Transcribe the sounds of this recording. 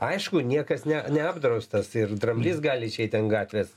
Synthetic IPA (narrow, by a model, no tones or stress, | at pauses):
ɐɪʃkʊnʲiɛkɐsnʲɛnʲɛɑːbd̪ɾɐʊst̪ɐsɪrd̪rɐmʲlʲɪsɡɑːlʲɪʃʲɛɪt̪ʲɐnɡɑːt̪ʲʋʲes